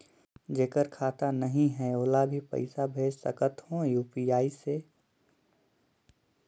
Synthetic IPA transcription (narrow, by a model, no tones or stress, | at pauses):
d͡ʒeːkəɾkʰaːt̪anəɦĩɦɛoːlabʱipə̰ɪsabʱeːd͡ʒsə̰kət̪ɦõjuːpiaːise